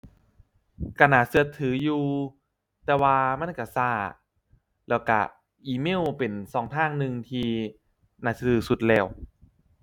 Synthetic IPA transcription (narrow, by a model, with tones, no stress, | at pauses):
ka˧˩naː˨˦sɯ˧ət̪ʰːɯː˩˦juː˧ | t̪ɛː˧waː˧ma˧˥˨nka˧˩saː˧˩ | lɛː˧˩wka̰˧˩ | ʔiː˧mi˥˩˨wpe˨˩nsɔː˨˦ŋt̪ʰaː˥˩ŋnɯ˧ŋt̪ʰiː˧ | naː˨˩sa˧˩t̪ʰɯː˨˩˦su˧˦t̪̚lɛː˧˩w